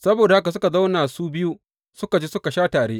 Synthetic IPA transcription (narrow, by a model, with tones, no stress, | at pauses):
sɐ˦boː˨da˨ha˦ka˨s̬ʊ˦ka˨za˦wnaː˨suː˦bɪ˦ju˦ | sʊ˦ka˨d͡ʒi˦sʊ˦ka˨ʃaː˦taː˨ɽeː˦ʔ